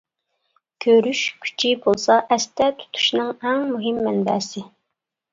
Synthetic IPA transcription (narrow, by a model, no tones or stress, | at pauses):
kʲʰøɾyʃkʲʰy̥t͡ʃʰibolˠsɑʔɛst̪ɛt̪ʰu̥t̪ʰu̥ʃnɨŋɛŋmuɦɪmːɛnbɛːsɪ